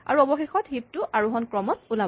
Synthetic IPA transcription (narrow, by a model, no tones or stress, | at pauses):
a̰ɹuɔbɔxexɔtɦip̚tʊʔaɹuɦɔnkɹɔmɔtula